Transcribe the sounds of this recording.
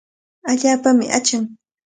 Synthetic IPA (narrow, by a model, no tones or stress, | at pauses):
aʎaːpamɪ̰ʔat͡ʃaŋ